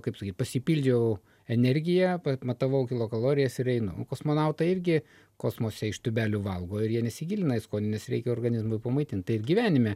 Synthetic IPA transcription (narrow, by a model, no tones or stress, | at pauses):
kɐɪpsɐkʲiːt̪ʲpɐsʲɪpʲiːlʲd͡ʒʲɛʊ | ɛnʲɛrʲɡʲɪjɛpɐmɐt̪ɐʋɐʊkʲɪlˠoːkɐlˠoːɾʲɪjɛsɪɾɛɪnʊʊkoːsmoːnɐʊt̪ɐɪɾʲɡʲɪ | koːsmoːsʲɛɪʃt̪ʊbʲæːlʲʊːʋɐlˠɡoːɪɾjiɛnʲɛsʲɪɡʲiːlʲɪnɐɪskoːnʲɪnʲɛsɾʲɛɪkʲɛoːrɡɐnʲɪzmʊɪpɐmɐɪt̪ʲɪnt̪t̪ɐɪɪrɡʲiʋʲæːnʲɪmʲɛ